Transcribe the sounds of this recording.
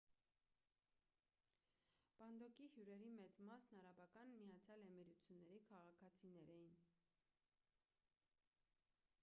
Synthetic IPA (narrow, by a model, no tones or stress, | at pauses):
pɑnd̪ɔkihjuɾɛɾimɛt͡smɑsnɑɾɑbɑkɑnmijɑt͡sʰjɑlɛmɛɾut͡sʰjunːɛɾikʰɑʁɑkʰɑt͡sʰinɛɾɛjin